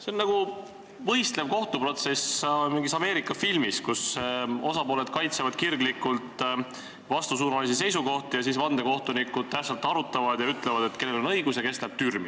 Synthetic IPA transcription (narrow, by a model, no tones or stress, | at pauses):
se̞onːɑɡ̥u | vɤ̞jst̪le̞v̥ko̞ht̪upro̞t̪se̞smiŋɡisɑme̞ːɾikːˑɑfilmiskuso̞sɑpo̞ːle̞d̪̥kɑjt̪sevɑd̪̥kirɡlikːˑult̪ˑ | vɑst̪usuːnɑlisise̞jsuko̞ht̪ijɑsisvɑnd̪e̞ko̞ht̪unikud̪̥t̪æpsɑlt̪ːˑɑɾut̪ːˑɑvɑd̪̥jɑyt̪ˑlevɑd̪̥e̞t̪ke̞lːelo̞nɤjɡ̥usjɑke̞slæb̥̚t̪yrmi